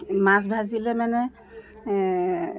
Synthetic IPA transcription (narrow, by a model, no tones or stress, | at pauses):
mas̬bʱazilɛmanɛ